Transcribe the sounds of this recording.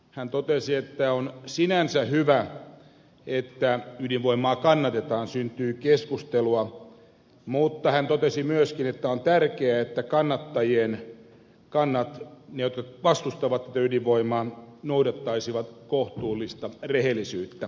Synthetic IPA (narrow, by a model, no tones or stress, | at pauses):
hænt̪ot̪esiet̪ːæonsinænsæhyʋæ | et̪ːæydiʋʋoimɑːkɑnːɑt̪et̪ɑːnsynt̪yːkeskust̪eluɑ | mut̪ːɑhænt̪ot̪esimyøskinet̪ːæont̪ærkeæet̪ːækɑnːɑt̪ːɑjien | kɑnːɑt̪nejot̪kɑʋɑst̪ust̪ɑʋɑt̪t̪ːæt̪æydiʋʋoimɑːnoudɑt̪ːɑisiʋɑt̪koht̪uːlːist̪ɑrehelːˑisyːt̪ːæ